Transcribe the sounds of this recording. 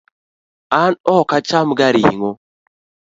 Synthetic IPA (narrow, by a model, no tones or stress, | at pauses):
anɔkat͡ʃamɡaɾiiŋo